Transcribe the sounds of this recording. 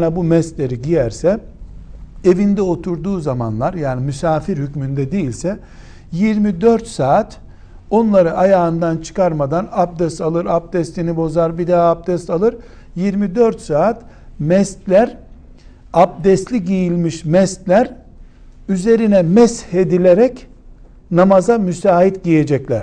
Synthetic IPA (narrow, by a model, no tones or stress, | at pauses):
nabumɛst̪lʲe̞ɾiɟijæɾsɛ | evind̪ɛo̞t̪ʰuɾd̪uːzama̰nlˠaɾjaːnimysaːfiɾhycmynd̪ɛd̪ejilʲsɛ | jiɾmid̪øɾt̪saːt̪ | o̞nlˠaɾɯʔajaːɯnd̪ant͡ʃʰɯ̥kʰaɾmad̪anap̚d̪ɛst̪alˠɯɾap̚d̪ɛst̪lʲinibo̞zaɾbid̪aap̚d̪ɛst̪alˠɯɾ | jiɾmid̪øɾt̪saːt̪mɛst̪lʲæɾ | ap̚d̪ɛst̪lʲiɟijilʲmiʃmɛst̪lʲæɾ | yze̞ɾinɛmɛshe̞d̪ilʲeɾɛc | namazamysaːɦit̪ɟije̞d͡ʒɛclʲæɾ̥